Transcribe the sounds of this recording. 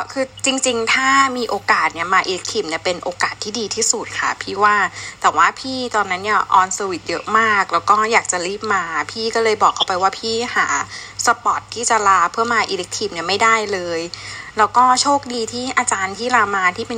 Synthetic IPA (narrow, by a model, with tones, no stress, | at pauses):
kʰɯː˧t͡ɕi˧ŋt͡ɕi˧ŋt̪ʰaː˥˩miː˧ʔoː˧kaː˨˩t̪̚ni˥˩ɐmaː˧ʔi˧le˦˥k̚t̪ʰiː˧˩m̚ni˥˩ɐpe˧nʔoː˧kaː˨˩t̪ʰːiː˥˩diː˧t̪ʰiː˥˩su˨˩t̪̚kʰa̰˥˩pʰiː˥˩waː˥˩t̪ɛː˨˩waː˥˩pʰiː˥˩t̪ɔː˧nːa˦˥nːi˥˩ɐʔɔː˧nsa˧wi˨˩t̪̚jɤ˦˥ʔmaː˥˩k̚lɛː˦˥wkɔː˥˩jaː˨˩k̚t͡ɕa˨˩ɾiː˥˩p̚maː˧pʰiː˥˩kɔː˥˩lɤː˧jbɔː˨˩kʰːa˥˩wpa˧jwaː˥˩pʰiː˥˩haː˩˦sa˧pɔ˨˩t̪̚ʰːiː˥˩t͡ɕa˨˩laː˧pʰɯ˥˩ɐmaː˧ʔiː˧le˦˥k̚t̪ʰiː˧˩mni˥˩ɐma˥˩jda˥˩jlɤː˧jlɛː˦˥wkɔː˥˩t͡ɕʰoː˥˩k̚diː˧t̪ʰiː˥˩ʔaː˧t͡ɕaː˧nt̪ʰiː˥˩laː˧maː˧t̪ʰiː˥˩pe˧